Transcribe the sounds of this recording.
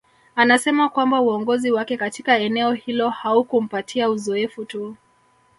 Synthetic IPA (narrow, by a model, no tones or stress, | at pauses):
anasɛmakwambauɔŋɡɔziwakɛkatikaɛnɛɔhilɔhaukum̩patʰiauzɔɛfutu